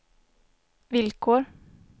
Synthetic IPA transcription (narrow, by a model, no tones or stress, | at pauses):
ʋɪlkʰoːɾ